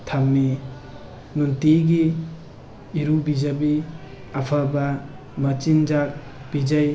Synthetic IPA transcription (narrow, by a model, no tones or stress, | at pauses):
tʰamːi | nuntiɡi | ɾubid͡ʒabi | apʰaba | mɐt͡ʃind͡ʒak̚ | b̥id͡ʒaj